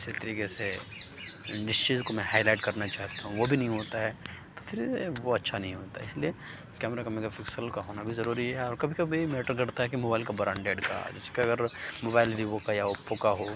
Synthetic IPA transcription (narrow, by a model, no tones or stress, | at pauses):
ɪsit̪ɐɾiːkese | ɖɪst͡ʃiːzkomɛ̃ɦaːɪlaɪʈkɐɾnat͡ʃaːɦt̪aɦũʋobʱinɐɦĩɦoːt̪aɦɛːt̪ofʰɪɾʋoɐtːʃʰanɐɦĩɦoːt̪aɦɛɪslie | kɛːmɾakameːkafɪksəlkaɦoːnabʱizɐɾuːɾiɦɛɔːɾkɐbʱikɐbʱimeːʈəɾɡɐɽt̪aɦɛkimoːbaːɪlkabɾãːɳɖeːɖka̰d͡ʒɛːse̥keɐɡəɾmoːbaːɪlɾiʋokajaopːokaɦo